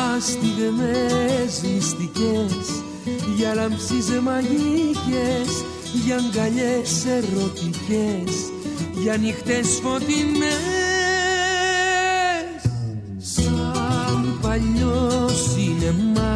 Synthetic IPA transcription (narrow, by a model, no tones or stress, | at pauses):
ast̪iðemezlist̪ices | ʝalampsizemaʝices | ʝaŋɡaʎeserot̪ices | ʝanixt̪esfot̪ine | s | sampaʎːosinemma